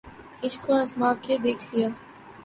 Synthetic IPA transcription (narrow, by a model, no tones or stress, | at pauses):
ɪskoɐsmaːkːed̪eːkʰlijaː